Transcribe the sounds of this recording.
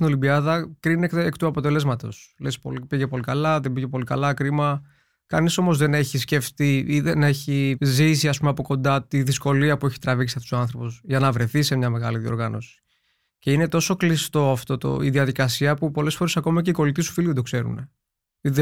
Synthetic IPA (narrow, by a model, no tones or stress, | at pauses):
ino̞limbiɐðɐkɾinekekt̪uɐpo̞t̪e̞le̞zmɐt̪o̞̰slespo̰ipiʝepo̞likɐlɐðembiʝepo̞likɐ̰lɐkɾimɐ | kɐniso̞mozðe̞ne̞çisce̞ft̪iiðene̞çizisiɐspumeɐpo̞ko̞nd̪ɐt̪iðisko̞liɐpueçi̥t̪ɾɐviksi̥ɐft̪u̥soɐnθɾo̞posʝɐnɐvɾe̞θise̞mɲɐme̞ɣɐ̰liðio̞̰ɾɣɐno̞̰si̥ | ce̞ine̞t̪o̞so̞klist̪o̞ɐft̪o̞t̪o̰ḭðiɐðikɐsiɐpupo̞le̞sfo̞ɾe̞sɐko̞mɐceiko̞lit̪isu̥filiðed̪okse̞ɾṵne̞ | ið